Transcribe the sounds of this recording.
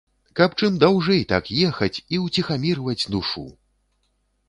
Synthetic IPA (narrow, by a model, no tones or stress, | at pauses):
kɐpt͡ʂɨmd̪awʐɛjt̪akjɛxɐt͡sʲiwt͡sʲixamʲiɾvɐt͡sʲd̪uʂṵ